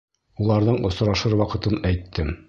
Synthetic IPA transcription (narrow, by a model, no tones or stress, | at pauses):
ulˠɑɾðɤɴŏsɾɑʃɤɾwɑqɤ̆t̪ɤnæjt̪ːɘm